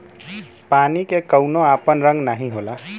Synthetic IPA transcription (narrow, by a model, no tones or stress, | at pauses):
panikekəwnoapənɾə̃ŋɡnaɦĩɦola